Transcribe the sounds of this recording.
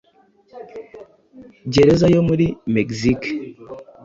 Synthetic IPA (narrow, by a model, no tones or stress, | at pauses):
ɟeɾezajomuɾimekzik